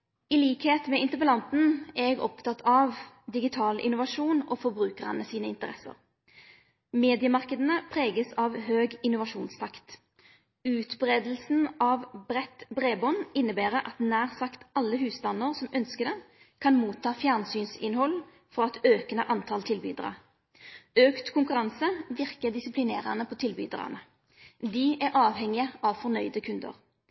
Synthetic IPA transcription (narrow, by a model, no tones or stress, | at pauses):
iliːkheːt̪mɛɪnt̪əbəlɑnt̪n̩ɛɛɡɔ̰pt̪ʰɑt̪ʰɑʋ | d̪ɪɡɪt̪ʰɑːlʔɪ̰nʊʋɑʂuːno̰ːfɔbʁʉːkəʁə̰nəsiːnəɪnt̪əʁɛsə̰ʁ | meːd̪ɪəmɑʁkəd̪ənəpʰʁeːɡəsɑʋhøːɡɪnʊʋɑʂuːnst̪ʰɑkt̪ | ʉːt̪bʁeːd̪l̩sn̩ɑʋbɾɛt̪bʁeːbɔnɪnːəbæːʁəʔɑt̪næːʁsɑkt̪ɑlːəhʉːsd̪ɑnːəʁsɔmœnskəd̪ɛ | kʰɑnmuːt̪ʰːɑːfjæːʁnsyːnsɪ̰nhɔlː | fɔɑt̪øːknəʔɑnt̪ʰɑlt̪ʰɪlby̰ːd̪ʁɑ̰ | øːkt̪kʰʊŋkʉʁɑnsəʋɪʁkəd̪ɪsɪplɪneːʁɑ̰nəpʰɔt̪ʰɪlby̰ːd̪ʁɑ̰nə | d̪ɪʔæʁʔɑːʋhɛŋɪəʔɑʋfɔnœʏd̪əkʰʉnd̪ə̰ʁ